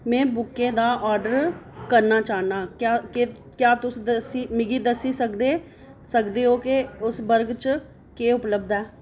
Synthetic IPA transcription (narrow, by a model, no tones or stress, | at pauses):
mɛ̃ːbʊkːẽːd̪aːʔaːɾɖəɾkəɾnaːt͡ʃaːnaːkaːke | kjaːt̪ʊsd̪siːmɪɡiːd̪əsiːsəkd̪eː | səkd̪eːɦoːkeʊsbəɾɡt͡ʃ | keːʊpləbd̪ɛː